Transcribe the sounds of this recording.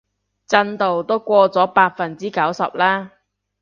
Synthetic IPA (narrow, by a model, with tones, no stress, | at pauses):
t͡sɐ˧nt̪o˨wt̪o˥wkʷɔː˧t͡sɔː˨˥paː˧t̚fɐ˨˩nt͡siː˥kɐ˨˥wsɐ̰˨p̚laː˥